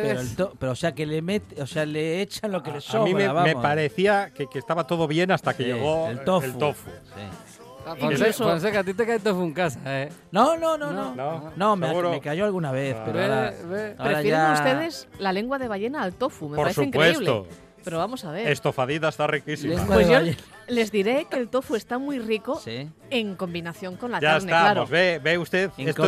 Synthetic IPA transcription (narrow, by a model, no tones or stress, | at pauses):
eɾoelt̪opeɾoseakelemet̪osealeet͡ʃanlo̞kelesomĩβɾmeβaamemopaɾeθiakekest̪aβat̪oðoβjenast̪akeʎeɣoelt̪oeflut̪ofṵsḭ | kosesoons̬ekat̪it̪ekajt̪ofueŋkasaenonõnõnõnonomeuɾomekaʝoalɣunaβ̞eθpeɾeaeapɾoɾeɾaʝaeust̪eðeslale̞ŋɡwaðe̞βaʝe̞naːlt̪ofumepoaɾesueiŋkweeisβleo̰ | pe̞ɾoβamosaβ̞e̞ɾest̪ofaðiðaest̪arikisimewaðoeoe | le̞zðiɾe̞kelt̪ofue̞st̪amwijrikosi | e̞ŋko̞mbinaθjoŋko̞nlakʝaaeɾsnealapɾozβebeust̪eðes